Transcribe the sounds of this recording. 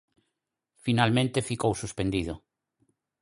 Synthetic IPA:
finalmẽnt̪efikowsuspend̪iðʊ

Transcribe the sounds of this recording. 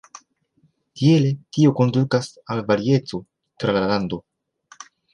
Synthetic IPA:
tie̞le̞tio̞ko̞ndukasalvaɾie̞t͡so̞ | t̪ɾalaalando̞

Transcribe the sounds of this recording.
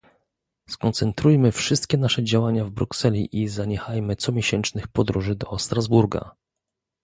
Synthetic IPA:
skɔnt̪sɛnt̪ɾujmɘfʂɘst̪̚kʲɛnaʂɛd͡ʑawaɲavbɾuksɛlʲḭʔizaɲɛxajmɘt̪sɔmʲjɛɕɛnt͡ʂnɘxpɔd̪ɾuʐɘd̪ɔst̪ɾazbuɾɡa̰

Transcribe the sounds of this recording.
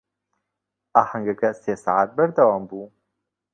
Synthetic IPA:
ahaŋɡakasesa̰ʕat̪̚bəɾd̪awɑːmbu

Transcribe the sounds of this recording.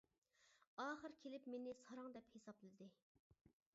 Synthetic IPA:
ɑːχəɾkʲʰelɪpmenɪsɑɾɑŋd̪ɛphesɑplɨlɨd̪ɪ

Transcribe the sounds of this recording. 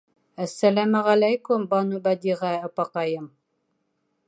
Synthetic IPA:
æsːælæmæʁælæjkʊmbɑnubæd̪iʁæɑpɑqɑjɤm

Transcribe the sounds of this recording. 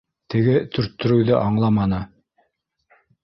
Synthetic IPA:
t̪ʰɘ̆ɡɘt̪ʰɵ̆ɾt̪ːɵ̆ɾɵ̆wðɘʔɑɴlˠɑmɑnɤ

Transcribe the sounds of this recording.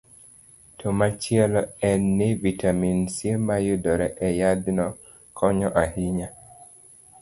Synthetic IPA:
tʰomat͡ʃɪɛlɔɛnːevitʰaminsilmajudɔɾɛʔɛjad̪nɔ | kʰɔɲɔʔahiɲa

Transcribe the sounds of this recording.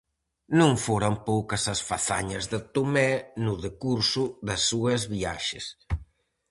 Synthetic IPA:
nõŋfoɾɐmpowkɐsɐsfaθa̰ɲɐzðet̪umɛnʊðekuɾsuðɐsːuɐzβia̰ʃḛs

